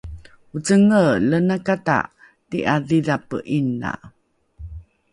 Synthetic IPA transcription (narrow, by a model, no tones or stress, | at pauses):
ut͡səŋələnakata̰ʔ | tiʔaðiðapəʔinːa̰